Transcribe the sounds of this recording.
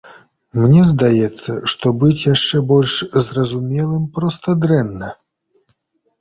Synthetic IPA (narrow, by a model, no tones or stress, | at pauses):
mnʲɛzd̪ajɛt̪sːɐʂt̪ɔbɨt͡sʲjaʂt͡ʂɛbɔlʲʂzrɐzumʲɛlˠɨmpɾɔst̪ɐd̪ɾɛnːɐ